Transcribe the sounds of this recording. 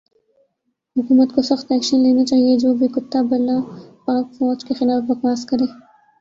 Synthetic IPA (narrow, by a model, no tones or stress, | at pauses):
hʊkumat̪kosɐxt̪ɛkʃinlenet͡ʃejed͡ʒoːbiɡʊt̪ːabalapɑːkfod͡ʒkexɪlaːfbɐkaːskɐɾe